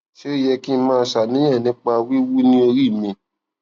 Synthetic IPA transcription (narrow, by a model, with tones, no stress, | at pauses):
ʃe˦i˦˨jɛ˧ki˦˧˦mãː˦˧˦ʃa˨nĩ˨˦jɛ̃˦˨nĩ˨˦k͡pa˧wi˦wu˦nĩ˦o˧ɾi˦˨mĩ˧